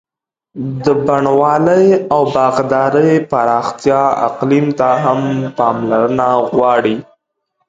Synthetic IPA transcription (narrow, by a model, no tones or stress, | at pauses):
d̪əbaɳwɑləjawbɑɣd̪ɑɾəjpaɾɑxt̪jɑa̰qlimt̪aɦampɑmlaɾənaɣwɑɽi